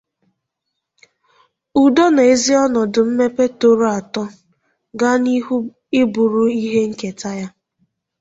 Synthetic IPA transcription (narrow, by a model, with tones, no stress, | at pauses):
u˨do˦na˨e˦zi˦ɔ˦nɔ˨dʊ˨m̩˦me˦pe˦to˦ɾo˦a˨tɔ˦ | ɡa˦n˦ | ɪ˦bu˨ɾu˦i˦ɦe˦ŋ̩˦ke˨ta˦ja˦